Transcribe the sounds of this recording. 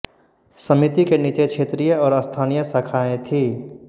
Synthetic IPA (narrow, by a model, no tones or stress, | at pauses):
sɐmit̪ikenit͡ʃekʃʰeːt̪ɾijəɔːɾɐst̪ʰaːnijəsəkʰaːẽt̪ʰiː